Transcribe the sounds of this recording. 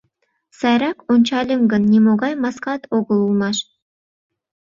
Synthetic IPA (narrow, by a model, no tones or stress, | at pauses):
sɑjɾɑkont͡ɕɑlʲemɡə̆nːʲemoɡɑjmɑskɑt̪oɡəlˠulˠmɑʃ